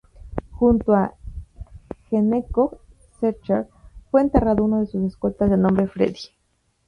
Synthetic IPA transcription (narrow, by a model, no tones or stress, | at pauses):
xunt̪oa | xeneko | seɾt͡ʃaɾfwe̞ːnt̪e̞raðo̞unaðe̞susesko̞t̪azðenõmbɾe̞fɾḛði